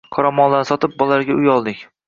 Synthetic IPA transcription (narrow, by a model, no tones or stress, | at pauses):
qʰɒɾamɒnlansɒt̪ʰɪp̚bɒlˠaɾɡʲaʊjɒlˠd̪ɪkʲ